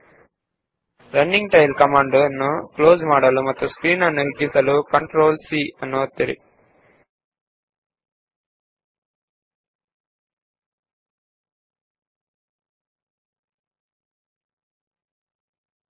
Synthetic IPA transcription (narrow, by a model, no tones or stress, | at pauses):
ɾɐnːiŋɡʈɐjlkɐmaːɳɖnːukloːd͡ʒmaːɽɐlumɐt̪ːuskɾiːnɐnːuɦiɡːisɐlukɐɳʈɾoːlsiːɐnːuɐt̪ːeɾḭ